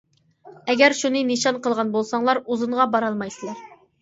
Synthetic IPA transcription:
ɛɡʲæɾʃunɨneʃɑnqəlˠʁɑnbolˠsɑŋlˠɑɾuzuɴʁɑbɑɾɑlˠmɑjsɨlˠɑɾ

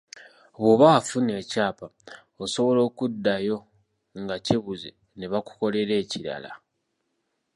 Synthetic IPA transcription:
βwoβafune̞ːcaːpa | oso̞βo̞lo̞ːkudːajo̞ | ŋɡaciβuzḛ | ne̞βaku̥ko̞le̞ɾe̞ːciɾa̰la̰

